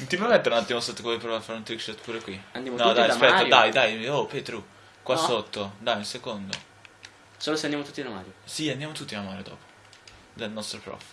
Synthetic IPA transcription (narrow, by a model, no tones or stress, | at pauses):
t̪ipɐmɛ̃t̪ːoɾãnt̪ːiamɐsot̪ːkvojpɾovaɾfaɾũt̪ɾikʃɛt̪puɾɐkwiãnd̪jamonɔ̃d̪aj̪spɛt̪ɐd̪ajd̪ajopet̪ɾu | kwasot̪ːod̪ajĩsekõnd̪o | soloseɐnd̪amot̪ut̪ːinamaɾjosiɐ̃nd̪jamʊt̪ut̪ːinɐmaɾjod̪ɔ̰po̥ | d̪ɛnɔst̪ɾɐpɾɔ̰f